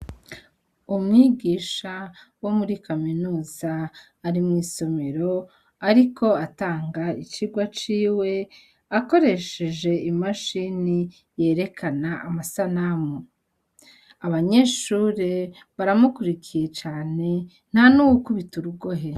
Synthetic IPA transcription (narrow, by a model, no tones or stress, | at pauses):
umŋiːɡiːʃa | wo̞muɾikaminuːzaː | ɾimŋiːso̞meɾo̞ | aɾikʰo̞ataːŋɡait͡ʃiɡwat͡ʃiːwe̞ | ako̞ɾe̞ʃe̞ʒe̞imaʃini | je̞ːɾe̞kʰanaamasanamo | aβaɲe̞ːʃuɾe̞ | βaɾamukuɾikije̞t͡ʃaːne̞ | n̥hanuwukuβituɾuɡo̞ɦe